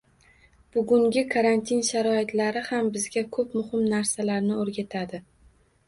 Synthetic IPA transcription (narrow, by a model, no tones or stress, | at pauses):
b̥ʊɡʲʊŋɡʲɪkʰaɾant̪ʰinʃaɾɒɪt̪laɾɪhambɪzɡʲakʰɵpmʊhɪmnaɾsalaɾnɪoɾɡʲat̪ʰad̪ɪ